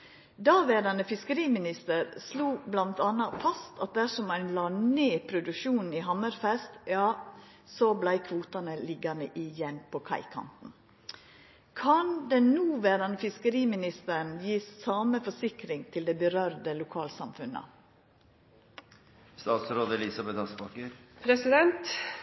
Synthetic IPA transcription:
d̪ɑːʋeːɾɑnəfɪskəɾiːmɪnɪst̪əɾsluːblɑnt̪ɑnːɑfɑst̪ʰɑt̪̚d̪æʂɔmɑɪnlɑːneːpʰɾʊd̪ʉʃuːnn̩iɦɑməɾfɛst̪jɑː | soblæɪkʰʋuːt̪ɑnəlɪɡɑnəʔɪjɛnpʰɔkʰɑ̰ɪkʰɑ̰nt̪n̩ | kʰɑnd̪ɛnuːʋæːɾɑnəfɪskəɾiːmɪnɪst̪əɾən̩jiːssɑːməfɔʂɪkɾɪŋt̪ʰɪld̪ɛɪbəɾœɾd̪əlʊkʰɑːlsɑ̰mfʉnə̰ | st̪ɑːt̪sɾoːd̪əlɪsɑbɛt̪ɑsbɑkəɾpʰɾɛsɪd̪ɛnt̪

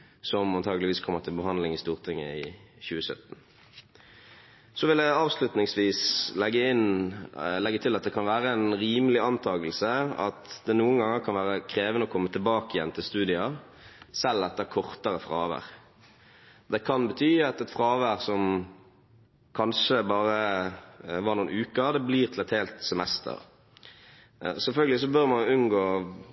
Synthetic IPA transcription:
sɔmɑnt̪ʰɑːɡəlɪʋiːskʰɔmːəʁt̪ʰɪlbəɦɑnd̪lɪŋɪst̪uːʁt̪ʰɪŋːə̰ɪ | çʉːəsœ̰t̪ːn̩ | sɔʋɪlæɪɑːʋslʉt̪nɪŋsʋiːslɛɡːəɪn | lɛɡːət̪ʰɪlɑt̪̚d̪ɛkʰɑnʋæːʁəɛnʁiːməlɪɑnt̪ʰɑːɡəlsəɑ̰t̪d̪ɛnuːənɡɑŋːəɾkʰɑnʋæːʁəkʰɾeːʋənəɔkʰɔmːət̪ʰɪlbɑːkəjɛ̰nːt̪ʰɪlst̪ʉːd̪ɪɑ | sɛlːɑt̪̚d̪ɛæɾkʰɔʁt̪əɾəfʁɑ̰ːʋæ̰ʁ | d̪ɛkʰɑnbət̪ʰyːɑt̪ɛt̪fʁɑːʋæʁsɔm | kʰɑnʂəbɑːɾə | ʋɑɾnuːənʉːkəd̪ɛbliːʁt̪ʰɪlɛt̪heːlt̪sɛmɛst̪ʰə̰ʁ | sɛlfœlɡəlɪs̬ɔbœʁmɑnʉnɡoː

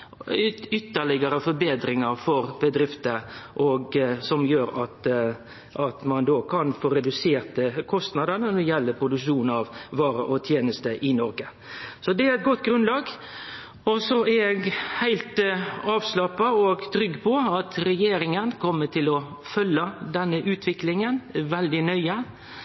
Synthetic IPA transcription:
ʏt̪ːəɭɪɡəɾəfɔɾbeːd̪ɾɪŋəɾfɔɾbəd̪ɾɪft̪əʔɔɡsɔmjøːɾɑt̪ | ʔɑt̪mɑnd̪oːkʰɑnfoːɾɛd̪ʉseːɾt̪əkʰɔst̪nɑd̪ənənɔjɛlːəpʰɾʊd̪ʉkʂuːnɑʋʋɑːɾəʔɔt̪ʰjeːnəst̪əʔɪnɔɾɡə | sɔd̪ɛæɾɛt̪̚ɡɔt̪ːɡɾʉnlɑːɡ | ɔsɔæɛɡhæɪlt̪ɑːʋslɑpːɑɔɡt̪ʰɾʏɡːpʰɔɑt̪ɾɛjeːɾɪŋənkʰɔmːəʈʰɪlɔfœlːəd̪ɛnːəʔʉːt̪ʰʋɪklɪŋənʋɛld̪ɪnœʏə

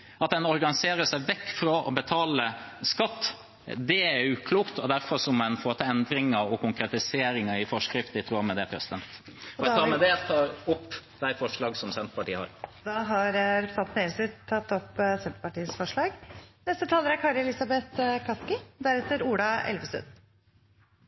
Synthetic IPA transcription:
ɑt̪̚d̪ɛnɔɾɡɑnɪseːɾəʂæɪʋɛkːfɾoʔɔbət̪ʰɑːləskɑt̪ː | d̪ɛæɾʉːkʰluːkt̪ɔd̪æɾfɔɾsɔmɛnfot̪ɑɛnd̪ɾɪŋəɔkʊŋkɾɛt̪ɪseːɾɪŋəɪfɔʂkɾɪft̪ɪt̪ɾuːmɛd̪ɛpʰɾɛsɪd̪ɛnt̪t̪ɑːmɛd̪ɛt̪ʰɑːɾʊpːd̪̥æɪfɔʂɭɑːɡsɔmsɛnt̪ə̥pɑʈiːəhɑ̰ɾd̪ɑːɦɑɾɾsɑt̪neːɾəsɪt̪ʰːɑt̪ːɔpːsɛnt̪ə̥pɑʈiːəsfɔʂɭɑːɡnɛst̪ət̪ʰɑːləɾæɾkʰɑːɾɛlɪsɑbɛt̪kʰɑskɪd̪æɾɛt̪ːəɾuːɖɑɛ̰lʋəsʉ̰n

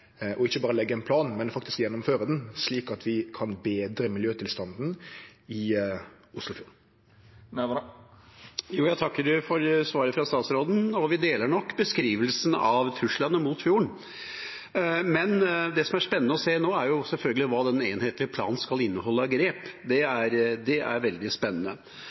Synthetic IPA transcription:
ʔɔɪçːəbɑːɾəlɛɡːəɛnpʰlɑːnmɛnfɑkt̪ɪ̥skjɛnːɔmføːɾəd̪ɛnsliːkɑt̪ʰʋɪkʰɑnbeːd̪ɾəmɪljøːt̪ʰɪlst̪ɑnd̪n̩ɪ | ʊslʊfjuːʁɳ | juːjæɪt̪ʰɑkːəɖʉfɔɾsʋɑːɾəfɾɑst̪ɑːt̪sɾoːd̪n̩ɔʋɪd̪eːləɳɔkːbəskɾiːʋəlsn̩ɑʋt̪ʰɾʉʂlɑnəmut̪fjuːəɳ | mɛnd̪ɛsɔmæʂpɛnːənəɔseːnoːæɾjʊsɛlfœlɡəlɪʋɑːd̪ɛneːnheːt̪lɪəpʰlɑ̰ːnnskɑlɪnːəhɔlːəɡɾeːpd̪ɛæɾd̪ɛʔæ̰ɾʋɛld̪ɪspɛnːənə

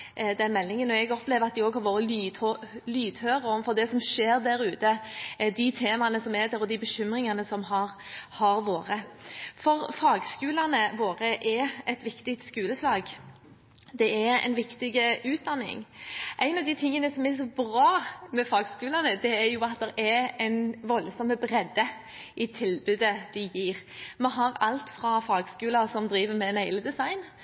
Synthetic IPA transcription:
d̪ɛnmɛlːɪŋənːɔɛɡɔpleːʋəɾɑt̪̚d̪ɪoːɡhɑɾʋoːɾəlː | lyːd̪høːʁəɔmfɔʁd̪ɛsɔmʂeːɾd̪æɾʉːt̪əd̪ɪt̪ʰeːmɑnəsɔmɛd̪ɛːɾɔd̪ɪbəʃʏmɾɪŋɑnəsɔmɦɑɾhɑɾʋoːɾəfɔʁfɑːɡskʉːlɑnəʋoːɾəʔɛɛt̪ʋɪkt̪ɪkt̪skʉːləslɑːɡ | d̪ɛæɾɛ̰ɪnʋɪkt̪ɪɡəʉːt̪̚d̪ɑnːɪ̰ŋʔæɪnɑʋd̪ɪt̪ʰɪŋːənəsɔmɛsɔbɾɑːmɛfɑːɡskʉːlɑnəd̪ɛæɾjʊɑt̪̚d̪ɛɾɛɾɛɪnʋɔlsɔmːəbɾɛd̪ːə | ʔɪt̪ʰɪlbʉd̪əd̪̥ɪjiːʁmɛɦɑɾɑ̰lt̪fʁɑfɑːɡskʉːləʁsɔmd̪ɾiːʋəmɛɛnhæɪləd̪ɛsɑɪn

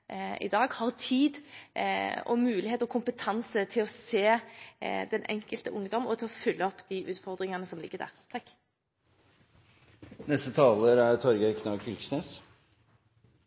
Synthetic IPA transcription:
ɪ̰d̪ɑːɡhɑʁt̪ʰiːd̪ | ɔ̰mʉːlɪheːt̪ɔkʰʊmpət̪ʰɑnsət̪ʰɪlɔseː | d̪ɛnʔɛ̰ŋkəlt̪əʔʊŋːd̪ɔmɔt̪ʰɪlɔfʏlːəɔpːd̪̥iːʔʉːt̪fɔʁd̪ʁɪŋɑnəsɔmlɪ̰ɡːəd̪æ̰ːʁt̪ʰɑkː | nɛst̪ət̪ʰɑːləɾæɾt̪ʰɔɾɡəkʰnɑkʰʏlksneːs

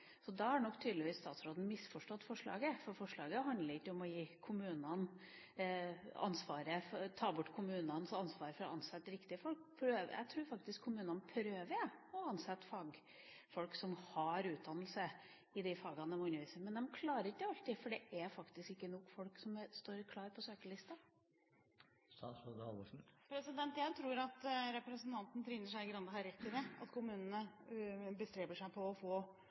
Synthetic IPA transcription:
sɔd̪ɑhɑnɔkːt̪ʰyːd̪lɪʋiːst̪ɑːt̪sɾoːd̪n̩mɪsfɔʂʈɔt̪ːfɔʂɭɑ̰ːɡəfɔɾfɔʂɭɑːɡəɦɑnd̪ləɾɪkːəɔmɔjiːkʰʊmʉːnɑn | ɑ̰nsʋɑːɾəft̪ʰɑːbʊʈːkʰʊmʉːnɑnsɑnsʋɑːɾfɔɾɔɑnsɛt̪ːɾɪkt̪ɪəfɔlkpʰɾøːʋæ̰t̪ʰɾuːɾfɑk̚t̪ɪskʰːʊmʉːnɑnpʰɾøːʋəjɔɑnsɛt̪ːfɑːɡ | fɔlksɔmhɑɾʉːt̪̚d̪ɑnəlsə | ɪd̪ɪfɑːɡɑnəmʊnəʋiːsəmɛnd̪ɛmkʰlɑːɾəɾɪkːəɑlt̪ɪfɔɖɛʔæɾfɑkt̪ɪskɪkːənɔkːfɔlksɔmst̪oːɾkʰlɑːɾpʰɔsøːkəlɪst̪ɑ | sɑsɔd̪ɑ̰ʋɔʂn̩pʰɾɛsɪd̪ɛnt̪jæɪt̪ʰɾuːɾɑt̪ɾɛpɾɛsən̩t̪ʰɑnt̪n̩ət̪ʰɾɪnːəʂæɪɡɾɑnd̪əɦɑɾɛt̪ːɪd̪ɛɑ̰t̪kʰʊmʉːnən̩ə | bəst̪ɾeːbəʂæɪpʰɔːfoː

